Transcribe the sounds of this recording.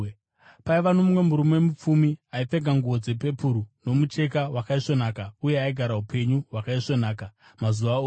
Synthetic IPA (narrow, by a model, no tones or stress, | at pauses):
paiʋanomwemuɾumoemup͡fumiaipe̞ɡʱaŋɡuo̞d͡ze̞pe̞puɾuno̞mut͡ʃe̞kawakaiʂo̞naːkaujeaiɡʱaɾaɦupʰe̞ɲuɦwakaiʂo̞naːkamazuʋaoː